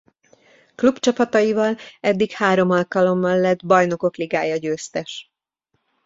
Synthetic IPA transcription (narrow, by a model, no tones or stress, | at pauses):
klubt͡ʃɒpɒt̪ɒjivɒlɛd̪ːikhaːɾo̞mɒlkɒlo̞mːɒlːɛd̪bɒjno̞ko̞kliɡaːjɒɟøːst̪ɛʃ